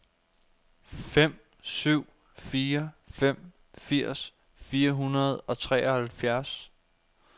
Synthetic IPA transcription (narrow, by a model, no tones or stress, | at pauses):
fem̰ | syʊ̰ | fiːɐfem̰ | fiɐ̰s | fiːɐɦunɐð̞̩ˠɒ̽t͡sʰʁɛ̰ːɒhælfjæɐs